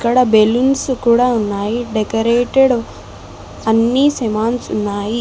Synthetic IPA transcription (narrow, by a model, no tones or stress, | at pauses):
kːɐɽɐbelunskuːɽaːunːaːjiɖɛkɐɾeːʈeɽ | ɐnːisɛmaːnsunːaːji